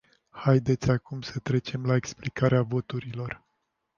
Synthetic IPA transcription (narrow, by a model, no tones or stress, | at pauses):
hajd̪e̞t̪sʲakumsət̪ɾe̞t͡ʃe̞mlaeksplikaɾeavo̞t̪uɾilo̞r